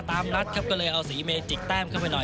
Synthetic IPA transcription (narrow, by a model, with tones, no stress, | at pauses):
t̪aː˧mna˦˥t̪̚kʰa˦˥p̚kɔː˥˩lɤː˧jʔa˧wsiː˩˦meː˧t͡ɕi˨˩t̪ɛː˥˩mkʰa˥˩wpa˧jnɔ˨˩